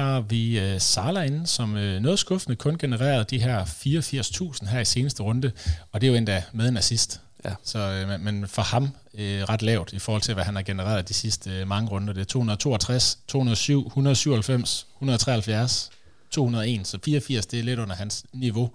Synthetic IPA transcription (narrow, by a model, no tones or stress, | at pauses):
ɑ̈ʋiøsɑ̈ːlæenn̩sɒ̽mønɔ̽ːð̩ˠsɡ̥ɔ̽fnəkʰɔ̽nɡ̥e̝nəʁḛːɐð̞̩ˠd̥iɦæɐfiːɐɒfiɐ̰st͡sʰṵːsn̩ɦæɐise̝ːnəsd̥əʁɔ̽nd̥əɒ̽d̥e̝joe̝nd̥æmeðˠnæsisd̥ | sɒ̽menfɒ̽hɑ̈m | øʁɑ̈d̥lɛʊd̥ifɒɔ̰ːhɒ̽lt͡sʰe̝ʋæhænhæ̈ɡ̥enəʁḛːɐð̞ˠd̥isisd̥əmɑ̈ŋəʁɔ̽nd̥əd̥e̝æɐt͡sʰo̰ːhunɐð̩ˠt͡sʰo̝̰ːɐt͡sʰʁast͡sʰo̝̰ːhunɐðˠsyʊ̰hunɐðˠsyʊ̰ɐhælfem̰shunɐð̞ˠt͡sʰʁɛ̰ːɐhælfjæɐs | t͡sʰo̝̰ːhunɐð̞ˠe̝̰ːnsɒ̽fiːɐɒfiɐ̰sd̥e̝æle̝ɾ̥ɔ̽n̰ɐhænsniʋo̝